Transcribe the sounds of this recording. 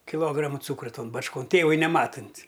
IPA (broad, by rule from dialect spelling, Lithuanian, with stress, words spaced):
kʲɪˈlˠoːɡrɐmɐ ˈt͡suːkrɐ ˈtoːn bɐt͡ʃˈkoːn ˈtʲeːʋʊɪ nʲɛˈmɑːtʊnʲtʲ